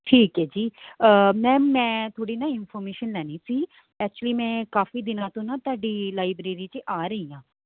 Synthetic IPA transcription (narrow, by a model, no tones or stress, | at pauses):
ʈʰiːkɦɛːd͡ʒiːəmɛ̃ːmɛ̃ːt̪ʰoːɽiːnaɪnpʰoːɾmeːʃənlɛːnisiː | ɛːk̚t͡ʃəliːmɛ̃ːkaːfiːd̪ɪnãːt̪õːnat̪aːɖiːlaːɪbɾeːɾiːt͡ʃəʔaːɾəɦĩːãː